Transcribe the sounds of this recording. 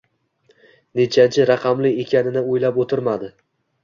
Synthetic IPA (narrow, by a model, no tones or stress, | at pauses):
ne̞t͡ʃʰant͡ʃʰɪɾaqʰɑmlɪekʲʰanɪnɪojlapot̪ʰɪɾmad̪ɪ